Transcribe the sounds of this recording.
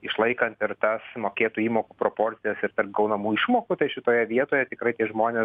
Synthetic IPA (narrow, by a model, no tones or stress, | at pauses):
ɪʃlˠɐɪkɐnt̪ɪɾt̪ɐsmoːkʲeːt̪uːiːmoːkuːpɾoːpoːɾʲt͡ssʲɪjɛsɪɾt̪ɐrp̚ɡɐʊnɐmuːɪʃmoːkʊt̪ɐɪʃʲɪt̪oːjɛʋʲiɛt̪oːjɛt̪ʲɪkɾɐɪt̪ʲiɛʒmoːnʲeːs